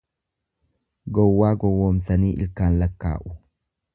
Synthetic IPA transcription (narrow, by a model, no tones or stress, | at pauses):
ɡɔwːaːɡɔwːoːmsɐniːʔɪ̰lkaːnlɐkːa̰ːʔʊ̥